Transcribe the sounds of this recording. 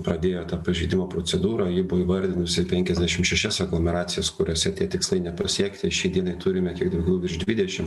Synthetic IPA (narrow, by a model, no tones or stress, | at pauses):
pɾɐd̪ʲeːjoːt̪ɑːpɐʒʲɛɪd̪ʲɪmoːpɾoːt͡ssʲɛd̪uːɾɑjɪbʊʋoiːʋɐɾʲd̪ʲɪnʊsʲɪpʲɛŋʲkʲɛzʲd̪ʲæʃʲɪmʃʲɛʃʲɛsɛɡlˠomʲɛɾɑːt͡ssʲɪjɛskʊɾʲoːsʲɛt̪ʲiɛt̪ʲɪkslˠɐɪnʲɛpɐsʲiɛkt̪ʲɪʃʲɛɪd̪ʲiɛnɐɪt̪ʊɾʲɪmʲɛk̪ʲiɛɡ̚d̪ɐʊɡʲɛʊɪʃʒd̪ʲʋʲɪd̪ʲɛʃʲɪm